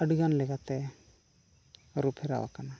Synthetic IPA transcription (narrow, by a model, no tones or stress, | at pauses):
əɖiɡanlɛɡat̪ɛ | ɾupʰɦɛɾa̰wa̰kana